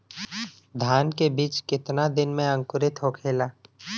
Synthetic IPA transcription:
d̪ʱaːnkebiːt͡ʃkɪt̪nad̪ɪnmẽɐ̃ŋkʊɾɪt̪ʰɦoːkʰeːlaː

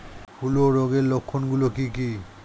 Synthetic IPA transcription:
bʰʱuloɾoɡeɾlokʰːonɡulokiki

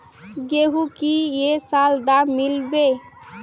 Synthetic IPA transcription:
ɡeɦukijesald̪amilbe

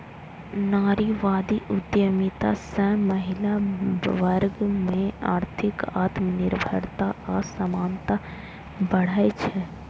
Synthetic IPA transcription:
naːɾiʋaːd̪iʔʊd̪jəmit̪asɛ̃məɦɪlaʋəɾɡmẽaːɾt̪ʰɪkaːt̪mənɪɾbʱə̰ɾt̪aasəmaːnt̪a | bəɽ̤aet͡ʃʰɛ

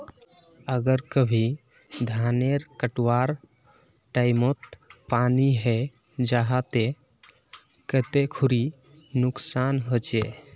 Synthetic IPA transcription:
əɡəɾkəbʱi | d̪ʱaneɾkəʈwaɾ | ʈaɪmot̪paniɦɛ | d͡ʒaɦat̪e | kət̪ekʰuɾi | nʊksanɦot͡ʃe

